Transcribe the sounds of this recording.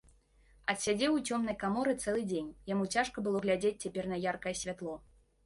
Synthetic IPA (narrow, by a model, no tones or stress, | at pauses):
ɐt̪sʲad͡zʲɛwut͡sʲɔmnɐjkamɔɾɨt̪sɛlˠɨd͡zʲenʲjamut͡sʲaʂkɐbɨlˠɔɣlʲad͡zʲet͡sʲt͡sʲapʲɛrnɐjarkɐjɛsʲvʲat̪lˠɔ